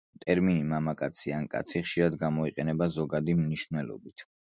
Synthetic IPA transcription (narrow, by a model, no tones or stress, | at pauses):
t̪ʼɛɾminimamakʼat̪sʰiankʼa̰t̪sʰiχʃiɾad̪ɡamɔiqʼɛnɛbazɔɡad̪imniʃvnɛlˠɔ̰bit̪ʰ